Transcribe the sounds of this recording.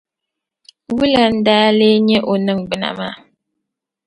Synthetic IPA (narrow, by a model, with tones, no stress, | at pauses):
wu˦la˨n̩˦daː˦leː˦ɲɛ˦ʔo˨nɨ˦ŋɡ͡bɨ˨na̰˨maː˦˨